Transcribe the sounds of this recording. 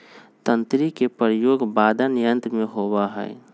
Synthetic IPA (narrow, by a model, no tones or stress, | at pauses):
t̪ə̃nt̪ɾikepəɾjoːɡbaːd̪ʱanɪjə̃nt̪ɾmẽɦobaɦɛ̰ː